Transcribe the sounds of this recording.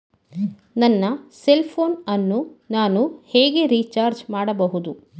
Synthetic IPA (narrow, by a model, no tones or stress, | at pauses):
nɐnːɐselpʰoːnɐnːunaːnuheːɡe̞ɾiːt͡ʃaːɾd͡ʒmaːɽɐbɐɦud̪u